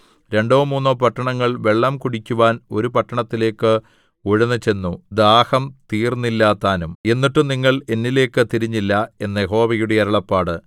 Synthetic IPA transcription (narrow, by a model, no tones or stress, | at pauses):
ɾe̞ɳɖoːmuːnːoːpɐʈːɐɳɐŋːɐɭʋe̞ɭːɐmkuɽikʲːuʋaːno̞̰ɾupɐʈːɐɳɐt̪ːile̞ːkːɨ | oɻunːɐt͡ɕe̞nːud̪aːhɐmt̪iːrnːilːaːt̪aːnume̞nːiʈːɨniŋːɐɭe̞nːile̞ːkːɨt̪iɾiɲːilːɐe̞nːɐjeɦo̞ːʋɐjuɽeɐɾɐɭɐpːaːɽɨ